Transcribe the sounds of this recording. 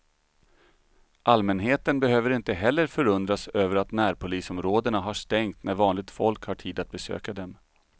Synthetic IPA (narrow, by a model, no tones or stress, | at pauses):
ʔalmɛnɦeːt̪ənbɛɦøːvəɾɪnt̪əɦɛlːəɾfœɾɵnd̪ɾasøːvəɾat̪næːɾpʰʊliːsɔmɾoːd̪əɳaɦaʂt̪ɛŋt̪næɾvɑːnlɪɡ̚t̪fɔlkhaʈʰiːd̪at̪̚bɛsø̰ːkad̪ɛm